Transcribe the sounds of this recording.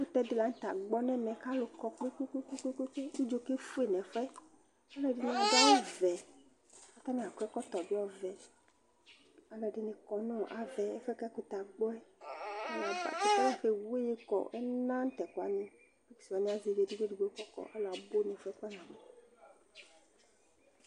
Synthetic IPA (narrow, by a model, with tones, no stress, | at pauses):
ku˦t̪ɛ˦di˦la˨˦ŋ̩˦t̪a˨ɡ͡bɔ˦nɛ̃˦mɛ̃˨ka˦lo˨kɔ˦k͡pe˦ku˦ku˦ku˦ke˦ke˦ke˦u˦d͡ʒo˦ke˦fu˦e˨nɛ̃˨fɛ˦ | a˦lɛ˨ɖe˦nẽ˨a˨da˦wɔ˦vɛ˨ | a˨t̪a˦nɛ̃˨a˨ku˦ɛ˦kɔ˦t̪ɔ˨bi˦ɔ˦vɛ˨ | a˨lɛ˨ɖi˨ne˨kɔ˨nõ˦˨ʔa˨vɛ˨ɛ˦fɛ˦ka˦ko˨t̪a˨ɡ͡bɔ˦ɛ˦n˨a˨ba̰˨ke˨t̪a˦ja˨xe˨we˦je˦kɔ̰˨ʔɛ˦nã˦n̩˦t̪ɛ˨kɔ˨a̰˨nĩ˦ | e˦ksi˨wa˨nĩ˦a˨zi˨ve˨di˦ɡe˦ɖi˨ɡo˨˦kɔ˦kɔ̰˨ʔa̰˦la˨bo˦nɛ̃˨fɛ˦k͡pa˦nã˨mẽ˦